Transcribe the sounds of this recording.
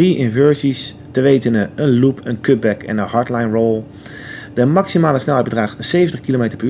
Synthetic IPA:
riʔɪnvøɹzis | təʋejtənəənlupʰənkɵp̚bɛkɛ̰nənɦɑɹtlajnrowlˠ | d̥əmɑksimaːləsnɛlˠɦɛjd̚bədraːχtsejvəntəχkilomejtəɹpy

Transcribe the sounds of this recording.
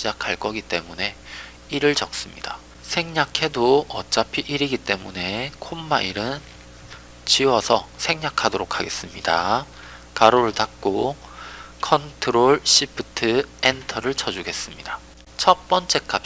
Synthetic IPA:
d͡ʑakʰaɭk͈ʌɡit͈e̞mune̞ | iɾɯɭt͡ɕʌk̚s͈ɯmɲida | sʰe̞ŋɲakʰe̞doʌt͡ɕ͈apʰiʔiɾiɡit͈e̞mune̞kʰomːaiɾɯn | t͡ɕiwʌsʰʌsʰe̞ŋɲakʰadoɾokʰaɡe̞s͈ɯmɲida̰ | kaɾoɾɯɭtak̚k͈o | kʰʌntʰɯɾoɭɕ͈ipʰɯtʰɯentʰʌɾɯɭt͡ɕʰʌd͡ʑuɡe̞s͈ɯmɲida | t͡ɕʰʌp͈ʌnt͡ɕ͈e̞k͈ap̚

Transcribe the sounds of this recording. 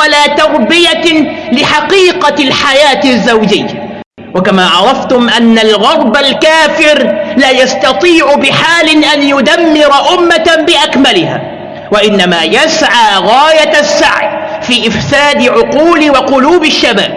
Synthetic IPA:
alaːt̪ɑɾˤbɪjalɪħɑqiːqɑlħajaːt̪azːawd͡ʒɪjːa | wakamaːʕɑɾˤɑft̪ʊmʔanːalɣɑɾˤbalkaːfɪɾlaːjast̪ɑt̪ˤiːʕʊbɪħaːlɪʔanjʊd̪amːɪɾˤɑʔʊmːabɪʔakmalɪha̰ː | waʔɪnːamaːjasʕaːɣaːjasːaʕjfiːʔɪfsaːd̪ɪʕʊquːlɪwɑqʊluːbɪʃːaba̰ːb̚

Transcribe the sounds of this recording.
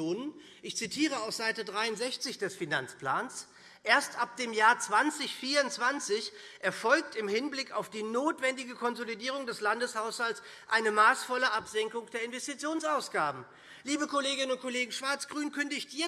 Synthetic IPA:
oːnən | ʔɪçt͡sitʰiːʁ̞əaʊfz̥aɪtədʁaɪʊntz̥ɛçt͡sɪçd̥ɛsfinant͡splaːns | ʔeːɐstʔap̚d̥eːmjaːɐt͡sv̥ant͡sɪçfiːɐʊntt͡sv̥ant͡sɪçʔɛɐfɔlk̚tɪmhɪnblɪkaʊfd̥iːnoːtv̥ɛndɪɡəkʰɔnzolidiːʁʊŋdɛslandəshaʊshalts | ʔaɪnəmaːsfɔləʔapz̥ɛŋkʊŋd̥eːɐɪnvɛstit͡sjoːnsʔaʊsɡ̥aːbm̩ | liːbəkoleːɡɪnənʊnt̚kʰoleːɡŋ̩ʃv̥aɐt͡sɡ̥ʁyːnkʰʏndəɪɪçd̥iː

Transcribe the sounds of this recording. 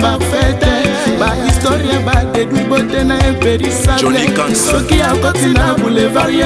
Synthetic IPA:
afɛtɛbaistoɾiãbadeduɡ͡bodɛnãeveɾisalɛ̃ʃokiakɔtinãbũlevaɾi

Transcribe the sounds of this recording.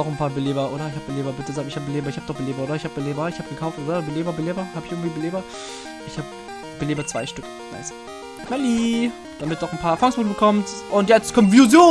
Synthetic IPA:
ɔχn̩pʰaːɐbəleːbɐʔoːɾɐɪçhaːb̚bəleːbɐbɪtəzaːɡɪçhaːb̚bəleːbɐɪçhaːb̚d̥ɔχb̥əleːbɐʔoːdɐɪçhaːbbəleːbɐɪçhaːbəɡ̥əkʰaʊftʔoːdɐbəleːbɐbəleːbɐhaːbɪçʔɪɐŋtv̥iːbəleːbɐ | ʔɪçhaːb̚ | b̥əleːbɐt͡sv̥a̰ɪʃtʏk̚ | na̰ɪs | mɛliː | d̥amɪt̚dɔχn̩pʰaːɐfaŋsmuːt̩bəkʰɔmtʔʊntjɛt͡stkʰɔmənfjuzjoː

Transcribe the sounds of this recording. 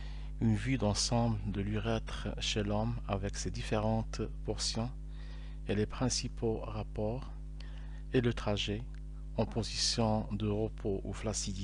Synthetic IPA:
ynvyd̪ɑ̃sɑ̃bld̪əlɥiʁɛt̪χʃelɔmavɛksed̪ifeʁɑ̃t̪pɔʁsjɔ̃ | elepχɛ̃sipoʁapɔːʁ | elət̪χaʒe | ɑ̃pozisjɔ̃d̪əʁəpʰoʔuflasid̪i

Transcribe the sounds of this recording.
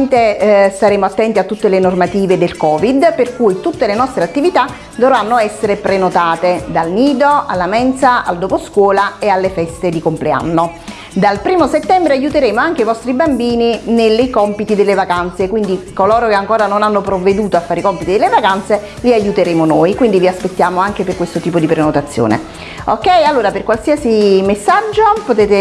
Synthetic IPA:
nt̪est̪aɾeːmoat̪ːɛnt̪iat̪ːut̪ːelenormat̪iːved̪elkɔːvid̪perkujt̪ut̪ːelenɔst̪ɾeat̪ːivit̪a | d̪ovɾanːoɛsːeɾepɾenot̪aːt̪ed̪alniːd̪oa̰lːamɛnt̪saa̰ld̪oposkwɔːlaealːefɛst̪ed̪ikomplea̰nːo | d̪alpɾiːmoset̪ːɛmbɾeajːut̪eɾeːmoaŋk̟eivɔst̪ɾibambiːninelːejkɔmpit̪id̪elːevakant̪sekwind̪ikolɔːɾokeaŋkoːɾanonanːopɾovːed̪uːt̪oafːaːɾikɔmpit̪id̪elːevakant̪se | liajːut̪eɾeːmonoːjkwind̪iviaspet̪ːjaːmoaŋk̟eperkwest̪ot̪iːpod̪ipɾenot̪at̪sːjo̰ːnḛ | okːɛjalːoːɾaperkwalsiasimesːad͡ʒːopot̪eːt̪e

